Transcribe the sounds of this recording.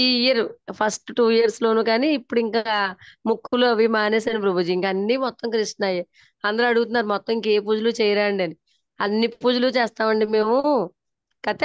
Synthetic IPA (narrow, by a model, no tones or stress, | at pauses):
iɐɾpʰɐsʈʈuːjijɐɾslo̞ːnuːkaːniːpːuɽiŋkaːmukʰːuluɐbʱimaːneːsaːnip̬ɾɐbʱud͡ʒiiŋkɐɐnːimɔt̪ːɐmkɾiʂʈnaːje | ɐnd̪ɐɾɐɽuɡut̪unːaːɾumɔt̪ːɐmiŋkeːp̬uːd͡ʒulut͡ʃɛːjɐɾaːɳɖiɐni | ɐnːipuːd͡ʒulut͡ʃɛːst̪aːmɐɳɖime̞ːmu | kɐt̪e